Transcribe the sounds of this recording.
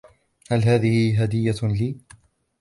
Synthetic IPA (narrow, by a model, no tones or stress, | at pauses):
halɦaːðɪhɪɦad̪ɪjːaliː